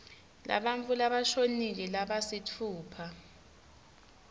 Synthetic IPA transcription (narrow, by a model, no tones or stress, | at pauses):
la̰ɓaɱfulaɓaʃonik̬ɛlaɓasitʰuːpʰa